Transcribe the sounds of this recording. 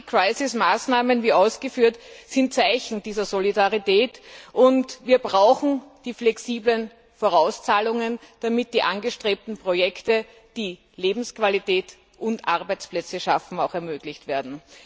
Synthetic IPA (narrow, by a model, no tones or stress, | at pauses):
kʁ̥aɪsɪsmaːsnaːmənviːaʊsɡ̥əfyːɐtsɪntt͡saɪçn̩d̥iːzɐzolidaʁitɛːtʔʊntviːɐbʁaʊxn̩d̥iːflɛksiːblən | foʁaʊst͡saːlʊŋənd̥amɪt̚d̥iːʔanɡəʃtʁ̥eːp̚tn̩pʁ̥ojɛktə | d̥iː | leːbm̩skv̥alitɛːt | ʔʊntʔaʁbæɪt͡splɛt͡səʃafn̩aʊxɛɐmøːɡlɪçtv̥eːɐdn̩